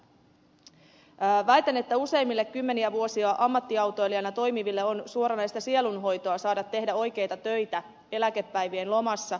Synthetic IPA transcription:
ʋæjt̪æne̞t̪ːæuse̞jmːilːe̞kːymːe̞niæʋuo̞siɑʔɑmːɑt̪ːiɑwt̪o̞eliɑnɑt̪o̞jmiʋilːeonsuo̞ɾɑnɑjst̪ɑsie̞lunɦo̞jt̪o̞ɑsɑːdɑt̪ːe̞ɦdæo̞jk̟e̞jt̪ɑt̪ø̞jt̪æ | e̞læke̞pːæjʋienlo̞mɑsːɑ

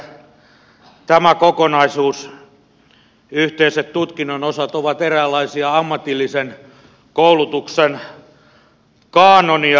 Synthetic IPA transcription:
t̪æmækokonɑisuːs | yht̪eiset̪t̪ut̪kinːonosɑt̪oʋɑt̪eræːlːɑisiɑɑmːɑt̪ilːisen | koulut̪uksen | kɑːnoni

